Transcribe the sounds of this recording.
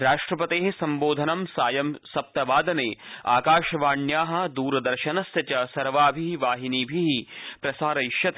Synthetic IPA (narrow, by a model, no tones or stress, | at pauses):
ɾaːʂʈɾɐpɐt̪eːɦesɐmboːd̪ʱɐnɐmsaːjɐmsɐp̚t̪ɐʋaːd̪ɐneːa̰ːkaːʃɐʋaːɳjaːɦɐ̆d̪uːɾɐd̪ɐɾʃɐnɐst̪ɐt͡ʃɐsɐɾʋaːbʱiʋaːɦiniːbʱiɦipɾɐsaːɾɐiʃjɐt̪